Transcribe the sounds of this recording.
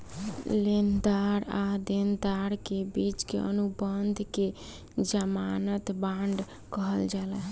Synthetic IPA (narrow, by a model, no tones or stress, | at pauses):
lend̪aɾad̪end̪aɾkebit͡ʃkḛə̰nubənd̪ʱke | d͡ʒəmanət̪baɳɖʱ | kəɦəld͡ʒalɛ